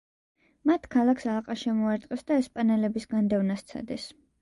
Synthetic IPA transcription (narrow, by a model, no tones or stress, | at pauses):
mat̪ʰkʰalˠaksalˠqʼaʃɛmɔaɾt̪sʼqʼɛsd̪aɛspʼanɛlɛbisɡand̪ɛvnast̪sʰa̰d̪ɛs